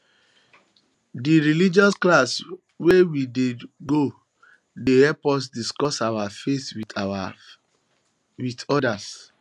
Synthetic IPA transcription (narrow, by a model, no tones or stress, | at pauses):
diɹilid͡ʒɔsklas | wewideɡo | dehɛpɔs̬diskɔsawafetwia | witɔdas